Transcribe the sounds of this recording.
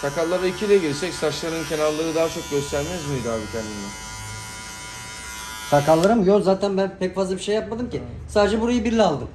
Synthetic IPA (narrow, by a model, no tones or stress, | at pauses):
t̪ʰakalˠːaɾaicʰilʲɛɟiɾsɛcsat͡ʃlˠaɾɯncʰe̞naɾlˠaɾɯd̪aːat͡ʃʰo̞k̚ɟø̞st̪ʰæɾmɛzmid̪aːbit̪ʰɛnʲii | t̪ʰakalˠːaɾɯmjozaːt̪ʰænbænpʰɛcfazlˠabiʃejːap̚mad̪ɯmci | saːd̪ed͡ʒɛbuɾajɯbiɾlʲialˠd̪ɯm